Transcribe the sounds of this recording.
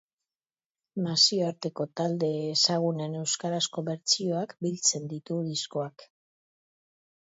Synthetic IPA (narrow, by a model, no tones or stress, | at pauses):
masio̞aɾt̪e̞ko̞t̪ald̪e̞ːsaɣ̞unene̞wskaɾasko̞βe̞ɾt͡sio̞akbilt͡se̞nd̪it̪uðisko̞ak